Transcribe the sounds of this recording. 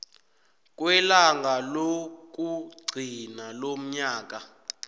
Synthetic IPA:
k̬ʼwɛlaŋɡʱalok̬ʼuɡ͡ǀʱinalom̩ɲaːk̬ʼa

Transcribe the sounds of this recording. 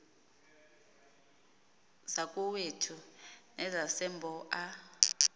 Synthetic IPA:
zakʼuwetʰunɛzasɛmbʱɔʔa

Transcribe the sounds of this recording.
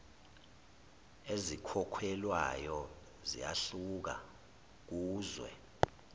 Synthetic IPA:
ezikʰɔkʰwɛlwajɔ | zḭjaɬuk̬a̰ | k̬uːzwɛ̰

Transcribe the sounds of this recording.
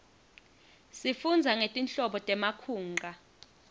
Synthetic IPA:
sifund͡zʱaŋetʼinɬɔɓɔtʼɛmakʰuːŋɡʱa

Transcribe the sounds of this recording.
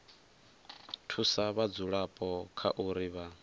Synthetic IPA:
tʰusaβad͡zuɺapʼɔkʰa̰ʔuɾiβa

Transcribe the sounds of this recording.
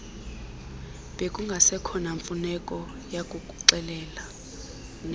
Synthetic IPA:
ɓekʼuŋɡʱasɛkʰɔnaɱfunɛkʼɔ | jakʼukʼuǀɛlɛːla | n

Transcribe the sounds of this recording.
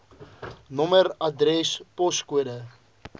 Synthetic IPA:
nɔmərɐdrɛspɔskuədə

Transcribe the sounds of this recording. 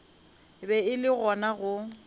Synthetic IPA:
bɛɪlɪɣɔnaɣʊ

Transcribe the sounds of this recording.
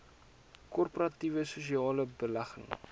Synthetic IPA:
kɔrpoɾɐtivəsusiɑːləbəlɐχə̰ŋ

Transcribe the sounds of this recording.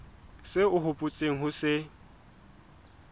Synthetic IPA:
sɪʊɦʊpʼʊt͡sʼeŋ̩ɦʊsɪ

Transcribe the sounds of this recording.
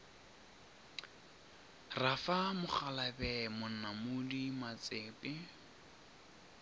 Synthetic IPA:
rafamʊχalabɛmʊn̩namʊdimat͡seːpɪ

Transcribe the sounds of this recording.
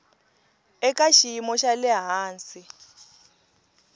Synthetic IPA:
ɛkʼaʃiimɔʃalɛɦaːnsi

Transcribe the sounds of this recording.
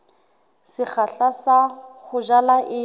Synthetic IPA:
sɪk͡xaɬasaχʊʒalaʔɪ

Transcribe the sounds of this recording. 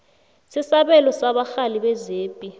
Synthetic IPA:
sisaɓɛlɔsaɓaxaliɓɛzeːpʼi

